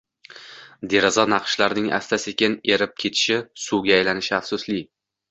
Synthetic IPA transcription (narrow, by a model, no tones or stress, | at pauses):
d̪e̞ɾazɒnɑqʃlaɾnɪŋʔa̰st̪ʰasekʲɪneɾɪp̚kʲʰe̞t̪ʰɪ̥ʃɪsuɡʲaːjlanɪʃɪafsʊslɪ